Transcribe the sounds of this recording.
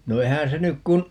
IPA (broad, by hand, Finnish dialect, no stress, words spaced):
no eihæ̃ː se nyk kun